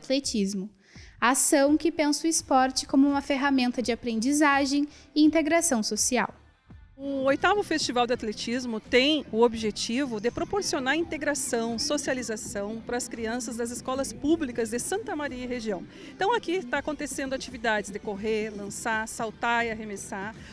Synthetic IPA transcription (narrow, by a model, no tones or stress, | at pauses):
t̪let͡ʃizmʊ | asɐ̃w̃kɪpẽnsʊɪspɔɾt͡ʃɪ̥kõmʊũmɐfeɦamẽnt̪ɐd͡ʒɪapɾẽnd͡ʒizaʒẽj̃ɪĩnt̪eɡɾasɐ̃w̃sosia̰w | ʊojt̪avʊfest͡ʃivawd̪ɪat̪let͡ʃizmʊt̪ẽj̃ʊobiʒet͡ʃivʊd̪ɪpɾopoɾsionaɾĩnt̪eɡɾasɐ̃w̃sosializasɐ̃w̃pɾɐːskɾiɐ̃sɐzd̪ɐzɪskɔlɐspublikɐzd̪ɪsɐ̃nt̪ɐmaɾiɐiheʒiɐ̃w̃ | t̪ɐ̃w̃akit̪aːkõnt̪esẽnd̪ʊat͡ʃivid̪ad͡ʒɪzd̪ekoɦeɾlɐ̃sasawt̪aɾiaɦemesaɾ